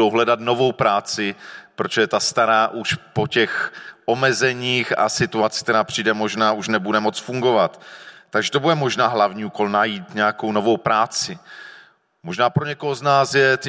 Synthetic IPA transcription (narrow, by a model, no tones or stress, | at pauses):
owɦlɛdat̪no̞vo̞wpɾaːt͡sɪpɾot͡ʃoɛt̪ast̪aɾaːʔuʃpo̞cɛxʔo̞mɛzɛɲiːxa̰sɪt̪uat͡sɪ̥k̚t̪ɛɾaːpr̥iːdɛmo̞ʒnaːʔuʃnɛbudɛmo̞t͡sfuŋɡo̞vat̪ːaɡʒɛt̪o̞budɛmo̞ʒnaːɦlavɲiːuːko̞lnajiːt̪ɲɛakowno̞vo̞wpɾaːt͡sɪ | mo̞ʒnaːpɾoɲɛko̞ɦoznaːsjɛt̪ɪ